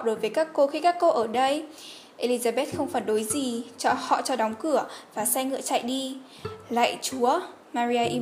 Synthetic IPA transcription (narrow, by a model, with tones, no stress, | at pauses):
ɗo˨˦jvəː˨˦jkaː˦˥kːo˧xi˧kaː˦˥kːo˧ʔəː˧˩ɗə˧j | ʔe˧li˧zaː˧ɓe˦˥t̚xə˧wŋ͡mfaː˨˩nɗo˨˦jzi˨˩t͡ɕɔ˧hɔ̰˧˨t͡ɕɔ˧ɗɔ˨˦wŋ͡mkɨ˧˩əvaː˨˩sa˧jŋɨ̰˧˨ət͡ɕa̰ː˧˨jɗi˧ | la̰ː˧˨jt͡ɕu˨˦ə | maː˧ɾi˧aː˧ʔi˧